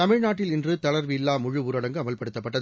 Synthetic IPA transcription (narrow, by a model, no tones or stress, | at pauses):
ɐmɪɻnaːʈːɪlɪndrɯt̪ɐɭɐɾʋɪjɪlːaːmʊɻɯʋʊːɾɐɽɐŋɡɯɐmɐlpɐɽɯt̪ːɐpːɐʈːɐð